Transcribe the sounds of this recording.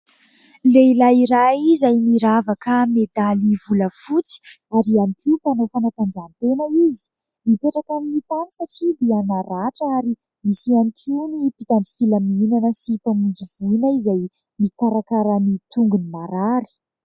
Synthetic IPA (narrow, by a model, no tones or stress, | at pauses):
leilaiɾajizajmiɾavakəmed̪alivuləfut͡si̥ | aɾianikupanofanat̪and͡zant̪enəizi̥ | mipeʈ͡ʂakaminit̪anisaʈ͡ʂid̪eanaɾaʈ͡ʂəaɾi | misianikunipit̪anifilamiinanəsipamund͡zivuinaizaj | mikaɾakaɾanit̪uŋɡunimaɾaɾi̥